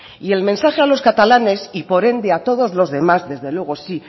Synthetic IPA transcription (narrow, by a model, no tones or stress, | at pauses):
ie̞lmẽnsaxe̞alo̞skat̪alane̞sipo̞ɾe̞nd̪e̞at̪o̞ð̞o̞zlo̞zðe̞mazðe̞zðe̞lwe̞ɣ̞o̞si